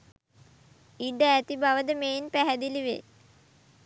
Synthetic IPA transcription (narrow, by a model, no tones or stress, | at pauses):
iɖəæt̪ibaʋəd̪əmeːinpæɦæd̪iliʋḛ